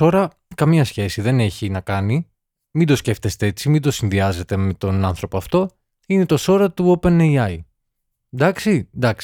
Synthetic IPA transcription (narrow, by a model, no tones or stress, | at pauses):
o̞ɾɐ | kɐmiɐsçe̞siðe̞ne̞çinɐkɐni | mind̪o̞sce̞ft̪e̞st̪ee̞t͡simind̪o̞sinðiɐze̞t̪e̞me̞t̪o̞nɐnθɾo̞poɐft̪o̞ | ine̞t̪o̞so̞ɾɐt̪uo̞pe̞nejɐj | d̪ɐksid̪ɐksi̥